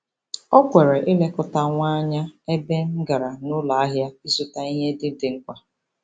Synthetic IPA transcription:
ɔ˦kʷe˨ɾe˨ʔɪ˦le˦kʊ˦ta˦ŋʷa˦ɲa˦e˦be˦ŋ̩˦ɡa˨ɾa˨nʊ˦la˨a˦ɦja˦i˦zu˦ta˦i˦ɦe˦dɪ˦dɪ˨ŋ̩˦kʷa˦

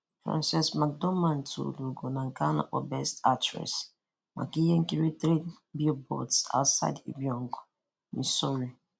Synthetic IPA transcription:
fɹã̰˦nsɛ˨sma˨k̚dɔ˦mã˨ntʰṵ˨du˨ɡo˨nã˨ŋ̩˨ka˦na̰˨ʔɔ˨bɛ˦sta˦tɹɛ̰˨s | ma̰˨ki˦jɛ˦ŋ̩˦ki˦ɾi˦t̪ɾe˦ | bi˦obo̰˨tsa̰˦wtsa̰˦ɪdḭ˨bi˨ɔ̃˨ŋɡɔ˨ | ĩ˨sɔ˦ɹi˨

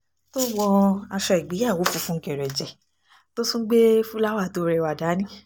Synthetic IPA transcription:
to˦wɔ˧a˧ʃɛ˧ɛ˨ɡ͡bi˨˦a˦˨wo˨˦fu˧fũ˦ŋ̩˦kɛ˨ɾɛ˨d͡ʒɛ˨ | to˦sũ˦ɡ͡be˦fu˦la˦wa˦˨to˧ɾɛ˧˨wa˨da˨˦nĩ˦

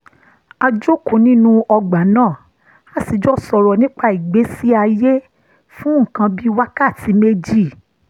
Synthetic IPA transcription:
a˧d͡ʒo˦kõ˨nĩ˦nũ˦ɔ˧ɡ͡ba˨˦nãː˦˨ | a˨˦si˨˧˦d͡ʒɔ˦sɔ˧ɾɔ˧nĩ˦k͡pa˧i˨ɡ͡be˨˦si˦a˧je˦ | fũ˦ŋ̩̃˦˨kã˧bi˦wa˦ka˦˨ti˨˦me˦d͡ʒi˦˨

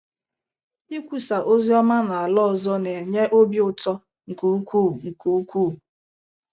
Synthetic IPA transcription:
i˦kʷu˨sa˨ʔo˦zi˦ɔ˦ma˦na˨a˨lɔ˦˨zɔ˦ne˨ɲe˦ʔo˦bi˦ʊ˨tɔ˦ | ŋ̩˨ku˨u˦kʷu˦˨ŋ̩˨ku˨u˦kʷu˦˨

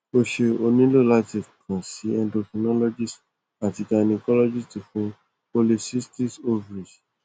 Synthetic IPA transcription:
o˧ʃe˧o˧nĩ˦lo˦˨la˦ti˦˨kã˨si˨˦ɛ̃˧ndo˧ki˧nɔ˦lɔ˦d͡ʒi˦˨s | a˨ti˧ka˧nĩ˧kɔ˦lɔ˦d͡ʒi˦ti˨fũ˦ | po˧li˧si˦sti˦so˧vɾi˨

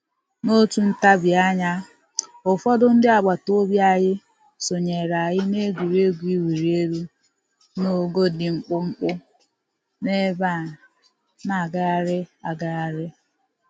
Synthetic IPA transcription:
no˦tu˨n̩˦ta˦bja˦ɲa˦ | ʊ˨fɔ˦dʊ˦n̩˦dɪ˦a˨ɡ͡ba˨to˦bja˨ɣɪ˦ | so˨ɲe˨ɾa˨ɣɪ˦ne˦ɡʷi˨ɾe˦ɡʷu˦i˦wi˨ɾi˨e˦ɾu˦ | no˦˨ɡo˦dɪ˨ŋ͡m̩˦k͡pʊ˦ŋ͡m̩˦k͡pʊ˦ | ne˦ba˦˨ | na˨ɡa˦a˦ɾɪ˦a˨ɡa˦a˨ɾɪ˦

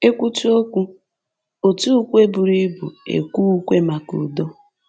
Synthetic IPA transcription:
e˦kʷu˦tu˦o˦kʷu˦ | o˨tu˦u˦kʷe˦bʊ˨ɾi˦bu˨ḛ˨kʷu˦kʷe˦ma˨ku˨dɔ˦

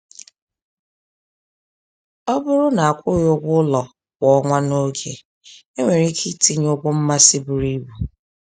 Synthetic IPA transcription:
ɔ˦bʊ˦ɾʊ˦na˨a˨kʷʊ˦ɾjo˦ɡʷʊ˦lɔ˨ | wɔ˨ɔ˦ŋʷa˦no˦kʰe˨ | e˦ŋʷe˨ɾi˦kʰi˦ti˦ɲo˦ɡʷo˦m̩˦ma˦sɪ˦bʊ˨ɾi˦bu˨

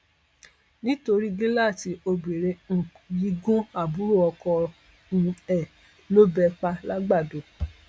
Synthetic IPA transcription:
nĩ˦to˧ɾi˦ɡi˦la˦˨ti˨˦o˧be˨ɾe˧ŋ̩˨ji˦ɡõ˦a˦˨bu˨˦ɾu˦˨ɔ˧kɔ˧ | ñ̩˧ɛ˦˨ | lo˦bɛ˧k͡pa˧la˦ɡ͡ba˦˨do˨˦

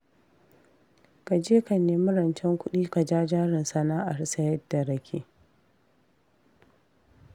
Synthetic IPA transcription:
ka˨d͡ʒeː˦ka˨neː˨mʊ˦ɾɐ˨nt͡ʃɛ˦ŋkʷʊ˦ɗiː˦ka˨d͡ʒaː˦d͡ʒaː˦ɾɪ˨nsɐ˨naː˦ʔa˨rsɐ˦jɐ˦dːa˨ɾɐ˦kʲʰḛː˦

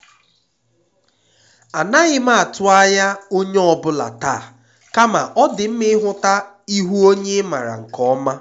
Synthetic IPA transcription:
a˨na˦ɣɪ˦ma˦a˨tʊ˦a˦ja˦o˦ɲe˦ɔ˨bʊ˦la̰˨ta˦˨ | ka˦ma˨ʔɔ˦dɪ˨m̩˦mɪ˦ɦʊ˦ta˦ | i˦ɦu˦o˦ɲe˦ma˨ɾa̰˨ŋ̩˨kɔ˦ma˦

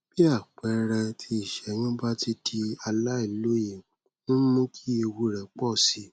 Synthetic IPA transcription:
b̥i˦a˦˨k͡pɛ˨˦ɾã˧tʰi˧i˦˨ʃɛ˨˦nũ˦ba˦ti˧di˧a˧la˦i˨lo˦ji˨ | nũ˦mõ˦kʰi˦e˧wu˧ɾɛ˨k͡pɔ˦˨si˨˦

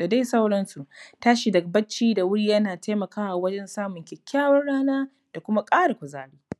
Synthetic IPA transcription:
da˨da˦jsa˦wɽɐ˦nsu˨ʔtaː˦ʃi˨dɐ˨k̚bɐ˦t͡ʃːiː˦da˨wʊ˦ɽiː˦jɐ˦naː˨ta˦jmɐ˨kaː˦wa˨wɐ˦d͡ʒɛ˦nsaː˦mʊ˨ŋkʲɛ˨kʲʰːaː˦wɐ˦ɽaː˦naː˦ | d̥a˨kʷʊ˦ma˦kʼaː˦ɽa˨kʷʊ˨zaː˦ɽiː˦

